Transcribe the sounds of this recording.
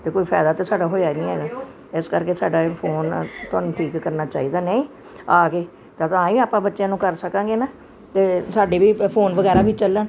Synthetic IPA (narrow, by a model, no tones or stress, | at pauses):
t̪eːkoːiːpʰɛːd̪aːt̪eːsaːɖaːɦoːjaːnĩːɛːɡaː | ɪskəɾkeːsaːɖaːpʰoːnt̪oʊaːnũːʈʰiːkːəɾnaːt͡ʃa̰ːiːd̪aːnə̃ĩː | aːɡeː | t̪ãːt̪ãːĩːaːpãːbətːʃjãːnũːkəɾsəkãːŋɡeːnaː | t̪eːsaːɖeːʋiːpʰoːnʋəɡɛːɾaːʋiːt͡ʃələn